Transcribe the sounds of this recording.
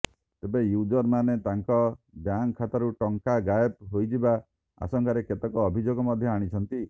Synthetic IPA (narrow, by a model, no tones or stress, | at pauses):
t̪ebejud͡ʒɔɾmanet̪aŋkɔ | bjaŋkʰːat̪aɾuʈɔŋkaɡajepɦojd͡ʒiba | a̰sɔŋkaɾeket̪ɔkɔːbʱid͡ʒoɡɔmɔd̪ʱjɔaɽ̃it͡ʃʰɔnt̪i